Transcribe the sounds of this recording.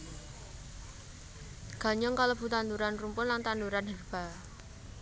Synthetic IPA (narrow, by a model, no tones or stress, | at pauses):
ɡ̥a̤ɲɔŋkalob̥ṳt̪and̪uɾanrumpʊnlaŋt̪and̪uɾanɦərb̥a̤